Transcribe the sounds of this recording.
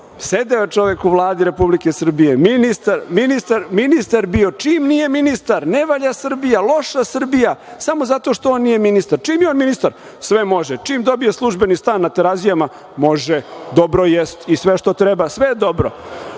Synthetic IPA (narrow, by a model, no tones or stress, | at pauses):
sed̪eot͡ʂo̞ʋekuʋlˠaːd̪iɾe̞publikesr̩bijeminist̪aɾminist̪aɾminist̪aɾbio̞t͡ʂiːmnije̞minist̪aɾneʋaʎasr̩bijalˠo̞ʂasr̩bijasamo̞zat̪o̞ʂt̪ooːnːije̞minist̪aɾt͡ʃimjeonminist̪aɾ | sʋemo̞ʒɛt͡ʂimd̪o̞bije̞slˠuʒbenist̪aːnːat̪eɾazijama | mo̞ʒɛd̪obɾojest̪isʋeʃt̪o̞t̪ɾɛbasʋed̪o̞bɾo̰